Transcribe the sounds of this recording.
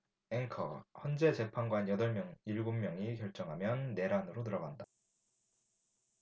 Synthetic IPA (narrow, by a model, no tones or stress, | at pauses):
eŋkʰʌhjʌnd͡ʑe̞t͡ɕe̞pʰanɡwanjʌdʌɭmjʌŋiɭɡumːjʌŋikjʌɭt͡ɕ͈ʌŋɦamjʌnːe̞ɾanɯɾotɯɾʌɡanda